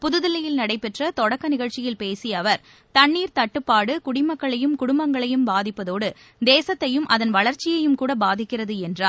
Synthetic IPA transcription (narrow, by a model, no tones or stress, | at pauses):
pʊðɯðɪlɐjɪlnɐɽɐɪpːɛʈrɐt̪ɔɽɐkːɐnɪɣɐɻt͡ʃːɪjɪlpeːsiɐʋɐɾ | t̪ɐɳːiːɾt̪ɐʈːɯpːaːɽɯkʊɽɪmɐkːɐɭɐjɯmkʊɽʊmbɐŋɡɐɭɐjɯmbaːðɪpːɐðoːɽɯ | d̪eːsɐt̪ːɐjɯmʔɐðɐnʋɐɭɐɾt͡ʃːɪjɐjɯmkuːɽɐbaːðɪkːɪrɐðɯɛndraː